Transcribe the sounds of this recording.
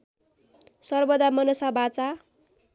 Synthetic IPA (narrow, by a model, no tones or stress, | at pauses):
sʌrbʌd̪amʌnʌsabat͡sa